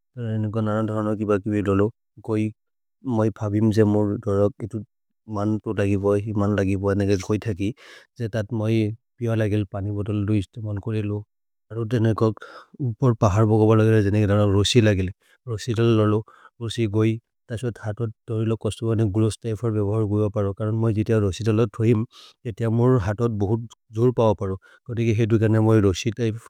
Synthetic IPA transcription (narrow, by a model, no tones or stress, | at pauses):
tɔɹɛnɛkuanaɹɔdʱɔɹɔnɔkibakibilɔlʊ | ɡoj | mojbʱabimzɛmʊɹdɔɹɔk̚ejtu | mantʊlaɡiβɔimanlaɡibɔɛnɛkɛɡojtʰakizɛtatmojpijalaɡilpanibɔtɔldujstɛmɔnkoɹilʊ | aɹut̬ɛnɛkɔkupɔɹpaɦaɹbɔɡɔbɔlaɡilɛzɛnɛkɛdaɔɹosilaɡil | ɹosidɔlːɔlʊ | ɹosiɡoj | tasɔɔthatɔtdoɹilɔkɔstɔbanɛɡulostajpʰɔɹbɛβɔɦaɹkoɹibɔpaɹɔ̃kaɹɔnmojzitiaɹosidɔlɔtʰːojimtetijamʊɹɦatɔt̚boɦut̚zuɹpabɔpaɹɔ̃ | ɡ̥otikɛxed̬ujkanɛmojɹositaj